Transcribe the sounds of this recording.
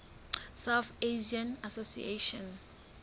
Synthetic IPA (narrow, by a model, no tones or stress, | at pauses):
sawθeʒianasosḭḛʃɔ̃n